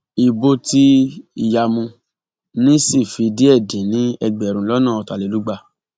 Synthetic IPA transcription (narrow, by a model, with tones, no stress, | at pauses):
i˨bo˧ti˦i˨ja˧mũ˧ | nĩ˦si˦˨fi˧di˦ɛ˦˨dĩ˨nĩ˦ɛ˧ɡ͡bɛ˨ɾũ˨lɔ˦nãː˦˨ɔ˧ta˨˧le˨lu˨˦ɡ͡ba˧